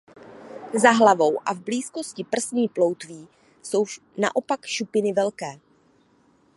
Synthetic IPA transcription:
zaɦlavo̞wʔa̰vbliːsko̞scɪpr̩sniːplo̞wt̪viː | so̞w | na̰ʔo̞pakʃupɪnɪvɛlkɛː

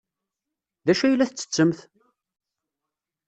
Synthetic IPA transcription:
ðæʃæjəlːæθət͡sːə̥t͡sːəmθ

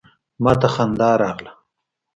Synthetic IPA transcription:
mɑːt̪axand̪ɑːɾɑːɣla

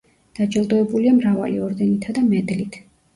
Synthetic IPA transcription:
d̪̥ad͡ʒɛlˠd̪ɔɛbuliamɾava̰lḭɔɾd̪ɛnit̪ʰad̪amɛd̪lit̪ʰ

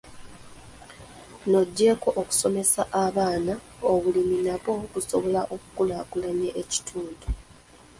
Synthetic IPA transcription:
no̞ɟːe̞ːko̞ʔoku̥so̞me̞saʔaβaːna | oβuliminaβo̞βuso̞βo̞laʔo̞kukulakulaɲeʔeci̥tʰuːndu

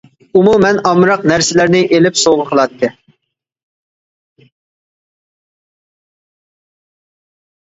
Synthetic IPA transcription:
umumɛnɑmɾɑqnæɾsɪlæɾnɪʔelɪpsoʁəqʰəlˠɑt̪ʰːɨ

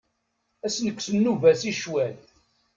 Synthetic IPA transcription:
æsnəkʷːsənːuvæsiʃwæl

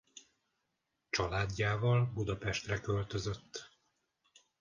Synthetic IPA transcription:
t͡ʃɒlaːɟːaːvɒlbud̪ɒpɛʃt̪rɛkø̞lt̪ø̞zø̞t̪ː

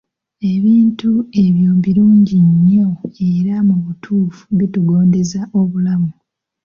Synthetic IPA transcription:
e̞βiːntue̞βjoːmbiɾuːɲɟiɲːo̞eɾamuβutʰuːfu̥βituɡo̞ːnde̞zaʔo̞βulamu

